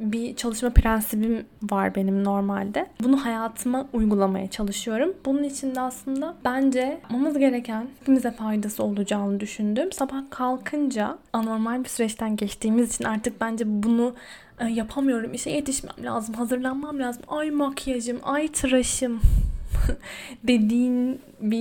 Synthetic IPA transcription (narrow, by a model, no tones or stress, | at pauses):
bit͡ʃʰalˠɯʃmapʰɾænsibimvaɾbe̞nimno̞ɾmalʲd̪ɛbunuhajaːt̪ʰɯmaujɡulˠama̰jat͡ʃʰalˠɯʃɯjo̞ɾumbununit͡ʃʰind̪ɛaslˠɯnd̪ab̥ænd͡ʒɛpmamɯzɟe̞ɾecʰænhipʰimizʲɛfajd̪asɯo̞lˠud͡ʒaːnɯd̪yʃynd̪ymsabahkʰalˠkʰɯnd͡ʒaano̞ɾmalʲbisyɾɛt͡ʃt̪ʰænɟɛt͡ʃt̪ʰiːmizit͡ʃʰinaɾt̪ʰɯk̚bænd͡ʒɛbunu | japʰamɯjo̞ɾumiʃɛje̞t̪ʰiʃmæ̰mlʲa̰ːzɯmɦazɯɾlˠanmamlʲaːzɯmajmakʰjad͡ʒɯmajt̪ʰɯɾaʃɯm | d̪e̞d̪iːn | bi